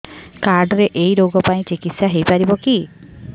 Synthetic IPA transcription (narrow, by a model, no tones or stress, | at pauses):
kaɾɖɾeʔejɾoɡɔpaĩt͡ʃikit̪saɦejpaɾibɔki